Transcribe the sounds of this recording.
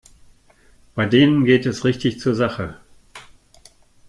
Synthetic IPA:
b̥aɪdeːnənɡeːtɛsʁɪçtɪçt͡suːɐzaχə

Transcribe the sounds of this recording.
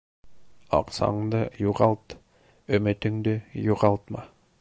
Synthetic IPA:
ɑ̰qsɑ̰ɴd̪ɤjuʁɑlˠt̪ | ɵ̆mɘ̆t̪ɘ̆ŋd̪ɘjuʁɑlˠt̪mɑ

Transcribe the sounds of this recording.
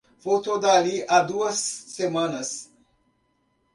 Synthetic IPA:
fowt̪od̪aliʔad̪uəsːemanəs

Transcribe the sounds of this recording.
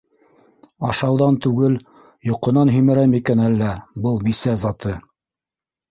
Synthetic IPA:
ɑʃɑwðɑnt̪ʉɡɘl | jŏqɤ̆nɑnɦɵmɘ̆ɾæmikænælːæbɤlˠbisæzɑt̪ɤ

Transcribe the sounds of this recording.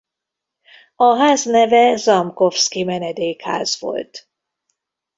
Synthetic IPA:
ɒɦaːznɛvɛzɒmko̞fskimɛnɛd̪eːkha̰ːzvo̞̰lt̪

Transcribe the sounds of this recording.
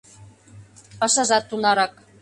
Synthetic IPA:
ɤ̆ʃɤ̆ʒɑt̪ːunɑɾɑk̚

